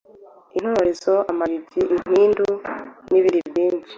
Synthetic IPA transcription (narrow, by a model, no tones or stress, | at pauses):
in̥hoɾezoʔamaβibɟiʔin̥iːnduniβiɾibjiːɲʃi̥